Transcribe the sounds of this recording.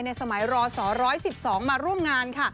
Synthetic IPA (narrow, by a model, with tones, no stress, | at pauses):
jna˧jsa˧ma˩˦jɾɔː˧sɔː˩˦ɾɔː˦˥jsi˨˩p̚sɔː˩˦ŋmaː˧ɾu˥˩əmŋaː˧nkʰa˥˩